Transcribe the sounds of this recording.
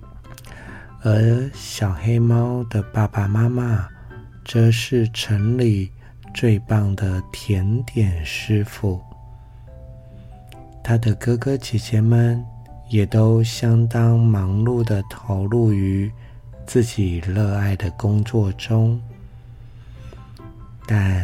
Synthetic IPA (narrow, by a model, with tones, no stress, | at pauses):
ə˧˥ɕjɑ˨˩ʊxe˥ɪmɑ˥ʊd̪ə˨pa˥˩pa˩ma˥ma˥˧ | ʈ͡ʂɤ˥˧ʂɻ̩˥˧ʈ͡ʂʰə˧˥ŋli˨˩ | t͡swe˥˧ɪpɑ˥˩ŋd̪ə˩t̪ʰjɛ˧˥nt̪jɛ˨˩nʂɻ̩˥fu˥˩ | t̪ʰa˥d̪ə˨kɤ˥kɤ˥t͡ɕʰi˨˥t͡ɕjɛ˧˥nmə˨njɛ˨˩t̪o˥ʊɕjɑ˥ŋt̪ɑ˥ŋmɑ˧˥ŋlu˥˩d̪ə˩t̪ʰo˧˥ʊlu˥˩y˧˥ | t͡sɹ̩˥˩t͡ɕi˨˩lɤ˥˧a˥˩ɪd̪ə˩kʊ˥ŋt͡swɔ˥˩ʈ͡ʂʊ˥ŋ | t̪a˥˩